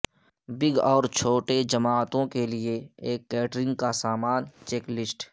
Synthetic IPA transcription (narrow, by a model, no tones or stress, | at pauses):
bɪɡɔːɾt͡ʃʰoːʈed͡ʒɐmaːt̪õkelieeːkːɛːʈɾɪ̃ŋɡ̚kasaːmaːnt͡ʃeːklɪsʈ